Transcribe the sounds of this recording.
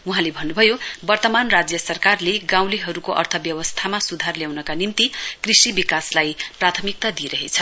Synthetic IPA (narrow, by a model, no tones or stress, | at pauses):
uɦãlebʱʌnːubʱʌjobʌrt̪ʌmanrad͡zjʌsʌrkarleɡãw̃liɦʌɾukoʔʌ̰rt̪ʰʌbjʌwʌst̪ʰamasud̪ʱarljawnʌkanimt̪ikrisibikaslajprat̪ʰʌmik̚t̪ad̪ieɾʌɦet͡sʰʌ